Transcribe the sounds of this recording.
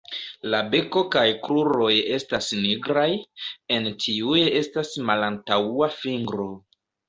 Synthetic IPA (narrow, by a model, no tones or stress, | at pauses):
labe̞ko̞kajkɾuɾo̞je̞stasniɡɾaje̞ntʰiujee̞stasmalantauafiŋɡɾo̞